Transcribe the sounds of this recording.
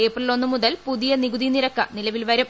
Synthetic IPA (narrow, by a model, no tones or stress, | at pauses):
eːpːrɐilo̞nːɨmuðɐlpuðijɐniɡuðiniɾɐkːɐnilɐʋilʋɐɾum